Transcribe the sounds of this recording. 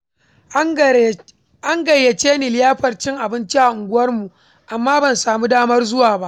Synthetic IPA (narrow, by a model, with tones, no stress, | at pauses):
ʔa˦ŋɡɐ˨jːɐ˨t͡ʃeː˦niː˨lɪ˦jaː˦ɸɐ˨rt͡ʃɪ˦ŋʔa˨bɪ˦nt͡ʃi˦ʔa˨ʔʊ˨ŋɡʷʊ˦wɐ˦rmu˨ʔ | ʔa˨mːaː˦bɐ˨nsaː˨muː˦daː˦mɐ˦rzʊ˦waː˨ba˦ʔ